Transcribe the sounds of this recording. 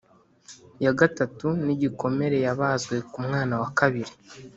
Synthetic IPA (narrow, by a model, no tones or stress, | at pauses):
jaɡatatuniɟiko̞me̞ɾe̞jaβaːzɡwe̞kumŋaːnawakaβiɾi